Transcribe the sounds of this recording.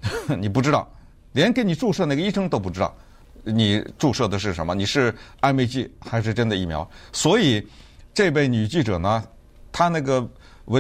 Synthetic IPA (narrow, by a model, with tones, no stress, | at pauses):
ni˨˩p̬u˥˧ʈ͡ʂɻt̪ɑ˥˩ʊ | ljɛ˧˥nk̬ɪni˨˩ʈ͡ʂu˥˧ʂɤ˥˧na˥˩ɡə˧i˥˧ʂɤ˥ŋt̪o˥ʊp̬u˥˩ʈ͡ʂɻ̩˥ɑ˥˩ʊ | ni˨˩ʈ͡ʂu˥˧ʂɤ˥˩d̪ə˩ʂ̬ɻ̩˥˩ʂə˧˥nmə˧ni˨˩ʂɻ̩˥˧a˥˧pe˥˧ɪt͡ɕi˥˩xa˧˥ɪʂ̬ɻ̩˥˧ʈ͡ʂə˥nd̪ə˨i˥˩mjɑ̰˧˥ʊswɔ˧˥i˨˩˦ | ʈ͡ʂe˥˧p̬e˥˩ɪny˨˩t͡ɕi˥˩ʈ͡ʂɤ̰˨˩nə˦ | t̪ʰa˥na˥˩ɡə˩ | we˧˥